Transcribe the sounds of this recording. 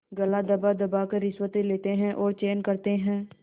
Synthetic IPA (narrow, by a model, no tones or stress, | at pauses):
ɡɐlad̪ɐbad̪ɐbakeɾɪswət̪eleːt̪eɦɛ̃ʔɔːɾt͡ʃeːnkɐɾt̪eɦɛ̃ː